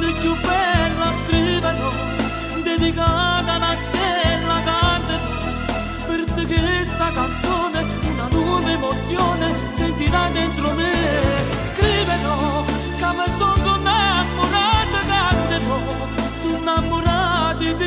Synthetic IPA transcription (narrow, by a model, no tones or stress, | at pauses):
d̪ekubɛlːaskɾivenɔ | d̪ed̪ikat̪anast̪ɛlːakand̪enɔ | peɾt̪ekest̪akant̪soːne | unat̪uvemot̪sjoːne | sent̪iɾad̪ent̪ɾome | skɾivenɔ | kamesond̪onːamːoɾat̪ekand̪eno | sunːamːoɾat̪it̪